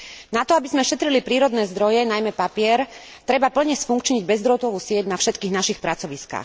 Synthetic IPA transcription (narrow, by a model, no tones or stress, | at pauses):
nat̪ɔabizmɛfʃɛt̪ɾilipɾiːɾɔd̪nɛːzd̪ɾɔjɛnajmɛpapɪɛɾ | t̪ɾɛbapl̩ɲɛsfuŋkt͡ʃɲiɟbɛzd̪ɾɔt̪ɔʋuːsɪɛcnafʃɛt̪kiːɣnaʃixpɾat͡sɔʋiska̰ːx